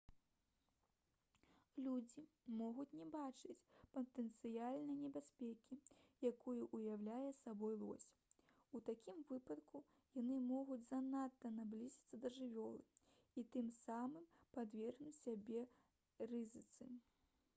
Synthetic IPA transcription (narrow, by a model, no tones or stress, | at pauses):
lʲud͡zʲimɔɣut͡sʲnʲɛbat͡ʂɨt͡sʲpɐt̪ɛnt̪sɨjalʲnɐjnʲɛbʲasʲpʲɛkʲijakɔjuʔujawlʲajɛsabɔjlˠɔ̰sʲ | ut̪akʲimvɨpɐt̪ku | janɨmɔɣud͡zʲzanat̪ːɐnablʲizʲɐt̪sːɐd̪ɐʐɨvʲɔlˠɨ | it̪ɨmsamɨmpad̪vʲɛrnʲusʲabʲɛ | rɨzɨt̪sɨ